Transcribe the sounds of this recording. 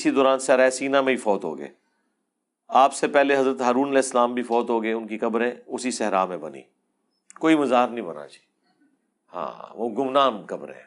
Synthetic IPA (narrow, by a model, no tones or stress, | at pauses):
ɪsid̪ɔːɾaːnsɛɾaːsiːnamẽifɔːt̪ɦo̰ːɡə̰ḛː | aːpsepɛɦleɦɐzɾət̪ɦaːɾuːnɐlɛːɪsːlaːmbʱifɔːt̪ɦoːɡəeʊnkikɐbɾẽːʊsisɛɦɾaːmẽbɐ̰nḭː | koːimɐzaːɾnĩbɐna̰t͡ʃː | hã̰ːoːɡʊmnaːmkɐbɾɦḛ̃ː